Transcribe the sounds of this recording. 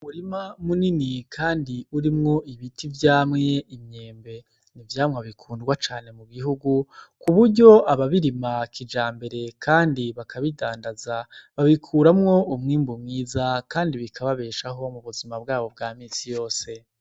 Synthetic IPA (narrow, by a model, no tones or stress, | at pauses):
βuɾimamuninikʰaːndiuɾimŋo̞iβitivjaːmŋe̞imɲe̞ːmbe̞ | nivjaːmŋaβikʰuːndɡwat͡ʃaːne̞muɡiɦuɡukuβuɾɟo̞ʔaβaβiɾimakʰid͡ʒaːmbe̞ɾe̞kʰaːndiβakʰaβidaːndazaβaβikʰuːɾamŋo̞umŋiːmbumŋiːzakaːndiβikʰaβaβe̞ːʃaɦo̞muβuzimab̚ɡaːβo̞bɡaːmiːnsijo̞ːse̞